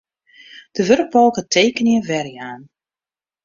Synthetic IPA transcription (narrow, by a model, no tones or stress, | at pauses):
d̥əʋørk̚bɔlˠkətʰeːkənjəvɛrjaːn